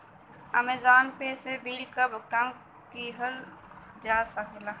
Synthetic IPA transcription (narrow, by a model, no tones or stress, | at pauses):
ɐ̰mezaːnpeːsebʱiːlkabʱəkãm | kiɦəl | d͡ʒaːsakelaː